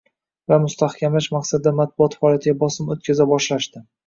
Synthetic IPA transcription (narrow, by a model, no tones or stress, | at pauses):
vamʊst̪ʰahkʲʰamlaʃmaqsad̪ɪd̪amat̪̚bʊɒt̪faɒlˠijat̪ʰɪɡʲabɒsɪmot̪̚kʲʰazabɒʃlaʃt̪ɪ